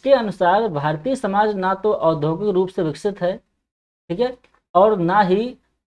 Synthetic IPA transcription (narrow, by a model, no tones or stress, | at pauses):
keɐnʊsaːɾbʱaːɾt̪iːsɐmaːd͡ʒnat̪oʔɔːd̪ʱoːkɪkɾuːpseʋɪksɪt̪ɦɛː | ʈʰiːkɦɛː | ɔːɾnaɦi